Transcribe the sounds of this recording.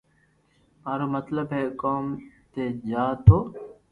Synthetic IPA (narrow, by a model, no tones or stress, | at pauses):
maːɾoːmət̪ləbɦeːkoːmt̪eːd͡ʒaːt̪ʰoː